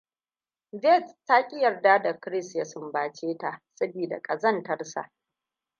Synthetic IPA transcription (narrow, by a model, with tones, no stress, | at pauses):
vɛ˦˨tta˦kʲʼɪ˦jɐ˨rdaː˦da˨kɾɪ˦sja˨sʊ˦mbaː˨t͡ʃeː˦ta˨ʔsɐ˦biː˨da̰˨kʼɐ˨zɐ˦ntɐ˦rsa̰˨ʔ